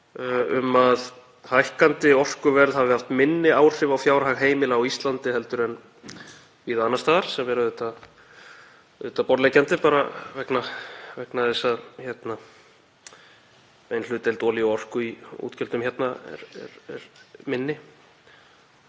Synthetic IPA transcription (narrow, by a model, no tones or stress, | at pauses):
ʏmað | hajhkant̪ɪɔr̥kʏvɛɾðhavðɪhaft̪mɪnːɪaːwr̥r̥ɪvawfjaːwɾɦaɣɦeːjmɪlawist̪lant̪ɪɦɛl̪t̪ʏɾɛn | viːðaːnːast̪aːðaɾ̥sɛmvɛɾaðʏt̪a | ðʏt̪apɔɾlɛcant̪ɪpaːɾavɛknavɛknaθɛsːaðçjɛt̪na | vejnl̥ʏːt̪ɪlt̪ɔːliɔr̥kʏiṵt̪cɛlt̪ʏmçjɛt̪naɛ̰ɾɛ̰ɾɛɾmɪnːɪ